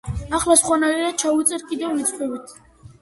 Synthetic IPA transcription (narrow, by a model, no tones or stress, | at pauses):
aχlasχwanaiɾat͡ʃʰaut̪sʼɛɾkʼid̪ɛvːit̪sʼχɛbit̪ʰ